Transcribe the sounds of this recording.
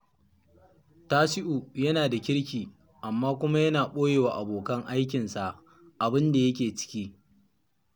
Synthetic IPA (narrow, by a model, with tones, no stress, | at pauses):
taː˦sɪ˦ʔu˨jɐ˦naː˨da˨kʲɪ˦ɽkʲiː˨ | ʔa˨mːaː˦kʷʊ˦ma˦jɐ˦naː˨ɓoː˦jeː˨waː˨ʔa˨boː˨kɐ˦ŋʔa˦jk̬ʲɪ˨nsa˨ʔ | ʔa˨bɪ˦nda˨jɐ˦kʲeː˨t͡ʃɪ̥˦kʲiː˦